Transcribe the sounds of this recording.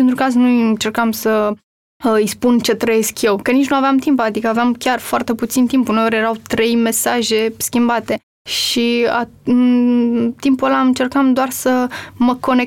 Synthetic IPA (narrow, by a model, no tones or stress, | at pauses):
int̪ɾukaznujɨnt͡ʃe̞rkamsə | ɨjspunt͡ʃe̞t̪ɾəje̞skje̞wkənit͡ʃnuaveamt̪impad̪ikəaveamkʲarfoart̪e̞put̪sint̪impuneoɾʲjeɾawt̪ɾe̞jme̞saʒe̞skʲimbat̪e̞ | ʃia̰ | t̪impuelaɨnt͡ʃe̞rkamd̪oarsəməko̞ne